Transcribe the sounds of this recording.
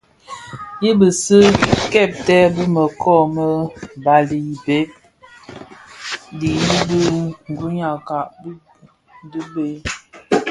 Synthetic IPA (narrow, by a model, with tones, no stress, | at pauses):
ji˦bə˨sə˦kɛ˦˨p̚tɛ˦bə˦mə˨kʰɔ˦˨mə˦ba˨li˨i˨be˦p̚ | di˨di˦bə˦ŋ˨ɡu˦ɲa˨ka˨ʔ | də˦be˨˦